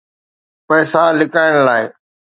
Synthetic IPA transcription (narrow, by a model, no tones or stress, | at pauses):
pɐːsalɪkaːɪɽ̃laːɪ